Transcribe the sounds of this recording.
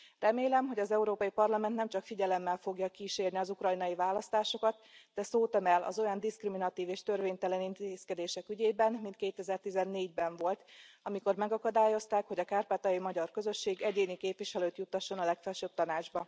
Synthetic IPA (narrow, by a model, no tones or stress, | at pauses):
rɛmeːlɛmɦo̞ɟɒzɛuɾoːpɒjipɒrlɒmɛnt̪nɛmt͡ʃɒkfiɟɛlɛmːɛlfo̞ɡjɒkiʃeːrniɒzukrɒjnɒjivaːlɒst̪aːʃo̞kɒt̪d̪ɛsoːt̪ɛmɛlɒ̰zo̞jɒnd̪iskriminɒt̪iːveːʃt̪ørveːɲt̪ɛlɛnint̪eːskɛd̪eːʃɛkyɟeːbɛnmint̪keːt̪ɛzɛrt̪izɛnːeːɟbɛɱvo̞lt̪ɒmiko̞rmɛɡɒkɒd̪aːjo̞st̪aːkhoɟɒkaːrpaːt̪ɒjimɒɟɒrkø̞zø̞ʃːeːɡɛɟeːnikeːpviʃɛløːt̪jut̪ːɒʃːo̞nɒlɛkfɛlʃøb̥̚t̪ɒnaːd͡ʒbɒ